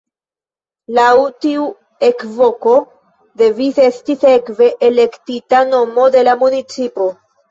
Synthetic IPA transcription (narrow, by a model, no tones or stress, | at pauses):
lawtiu | e̞kvo̞ko̞ | de̞vise̞stisekve̞ʔːle̞ktitano̞mo̞de̞lamunit͡sipo̞